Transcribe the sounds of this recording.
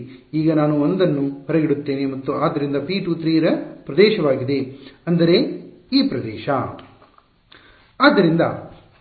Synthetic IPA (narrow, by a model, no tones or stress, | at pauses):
iːɡɐnaːnuond̪ɐnːupɐɾɐɡiɽut̪ːeːnemɐt̪ːuʔaːd̪ːɐɾind̪ɐpiːʈuːt̪ɾiːɾɐpɾɐd̪ɛːʃɐʋaːɡid̪e̞ɐnd̪ɐɾe̞ | iːpɾɐd̪ɛːʃɐ | aːd̪ːɐɾind̪ɐ̰